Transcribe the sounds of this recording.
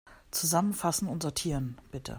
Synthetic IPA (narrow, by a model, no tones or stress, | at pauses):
t͡suzamənfasn̩ʊntz̥ɔɐtʰiːʁənb̥ɪtʰə̰